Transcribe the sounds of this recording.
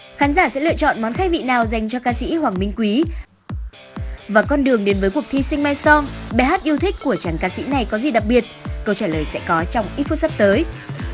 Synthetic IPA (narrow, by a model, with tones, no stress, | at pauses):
xaː˨˦nzaː˧˩sɛ̰˧˥lɨ̰˧˨ət͡ɕɔ̰˧˨nmɔ˨˦nxa˦˥k̚vḭ˧˨naː˨˩wza˨˩jŋ̟t͡ɕɔ˧kaː˧sḭ˧˥hwaː˨˩ŋmï˧ŋ̟kwi˨˦ | vaː˨˩kɔ˧nɗɨ˨˩əŋɗe˨˦nvəː˨˦jkwək̚t̪ʰi˧sï˧ŋ̟ma˧jsɔ˧ŋɓɛ˧˩haː˦˥t̚ʔi˧əwt̪ʰï˦˥k̟̚kːu˧˩ət͡ɕaː˨˩ŋkaː˧sḭ˧˥na˨˩jkɔ˨˦zi˨˩ɗa˨˩k̚ɓi˨˩ət̚kə˧wt͡ɕaː˧˩ləː˨˩jsɛ̰˧˥kɔ˨˦t͡ɕɔ˧wŋ͡mʔi˨˦fo˧sa˦˥p̚t̪əː˨˦j